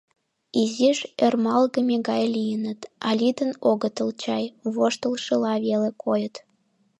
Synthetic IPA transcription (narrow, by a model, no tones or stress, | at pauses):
iziʃermɑlɣəmʲeɣɑjlijənət̪ɑlʲid̪ənoɣət̪əlt͡ɕɑjβoʃt̪əlʃəlɑβelekojət̪